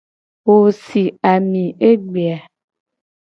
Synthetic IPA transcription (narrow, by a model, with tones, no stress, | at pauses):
wo˨si˨a˨mĩ˨e˦ɡ͡be˨a˨